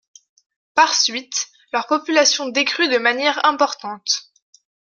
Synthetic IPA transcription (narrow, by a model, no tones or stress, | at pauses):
paʁsɥit̪ | lœʁpɔpylasjɔ̃d̪ekχyd̪əmanjɛʁɛ̃pɔʁt̪ɑ̃t̪